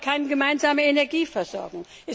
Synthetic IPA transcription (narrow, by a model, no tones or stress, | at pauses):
kʰaɪnɡəmaɪnzaːməenɛɐɡiːfɛɐz̥ɔɐɡŋ | ʔɛ